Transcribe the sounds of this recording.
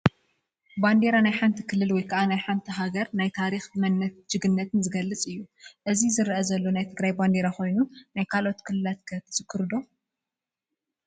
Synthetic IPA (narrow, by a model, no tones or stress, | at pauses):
band̪eɾanajħant̪ʰikʰɨlːɨlwɔjkʰɐʔanajħant̪ʰiɦaɡɐɾnajt̪ʰaɾixmɐnːɐtd͡ʒɨɡɨnːɐt̪ʰɨnzɨɡɐlːɨt͡sʼɨjːuʔɨzizɨɾʔɐzɐlːo̞najt̪ʰɨɡɾajband̪eɾako̞jnunajkʰalo̞t̪kʰɨlːɨlat̪̚kʰɐt̪ʰɐ̥sɨkʰːɨɾd̪o̞